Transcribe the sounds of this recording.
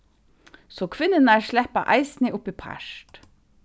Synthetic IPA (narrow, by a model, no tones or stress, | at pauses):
soːkʰʋɪnənæːɹʃɭæpɑ̰ʔæɪsniʔʊpipʰæ̰ʃʈ